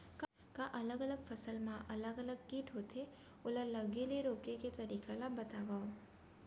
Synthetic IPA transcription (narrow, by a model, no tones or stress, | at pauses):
k | kaʔɐləɡələɡfʰɐsəlmãʔɐləɡələɡ̚kiʈɦoːt̪e | ʊləlɐɡeleɾoːkeket̪ɐɾiːkʰalabɐt̪aːʋaːo